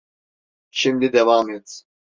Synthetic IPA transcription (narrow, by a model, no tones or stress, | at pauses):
ʃimd̪id̪ɛvaːmɛt̪